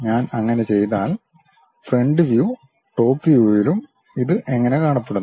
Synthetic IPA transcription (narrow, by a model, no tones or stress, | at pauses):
ɲaːnɐŋːɐne̞t͡ɕe̞jnaːl | fre̞ɳɖɨʋjuː | ʈo̞ːpːijujilum | iðɨʔe̞ŋːɐne̞kaːɳɐpːeɽunː